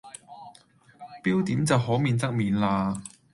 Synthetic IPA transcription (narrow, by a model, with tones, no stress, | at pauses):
piː˥wt̪iː˨˥mt͡sɐ˨whɔː˨˥miː˨˧nt͡sɐ˥k̚miː˨nlaː˧